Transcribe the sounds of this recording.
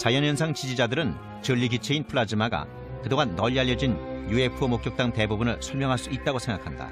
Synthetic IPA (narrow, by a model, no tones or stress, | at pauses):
t͡ɕajʌnjʌnsʰaŋt͡ɕid͡ʑid͡ʑadɯɾɯn | t͡ɕɯʎːiɡit͡ɕʰeinpʰɯɭad͡ʑimaɡa̰ | kɯdoŋanːʌʎːiaʎjːʌd͡ʑinjue̞pʰumokjʌk̚t͈aŋte̞bubunɯɭsʰuɭmjʌŋɦaɭs͈uit̚t͈aɡosʰe̞ŋɡakʰanda̰